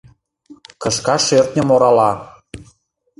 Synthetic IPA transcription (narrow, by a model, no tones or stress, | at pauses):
kɤ̆ʃkɑʃert̪nʲə̆moɾɑlɑ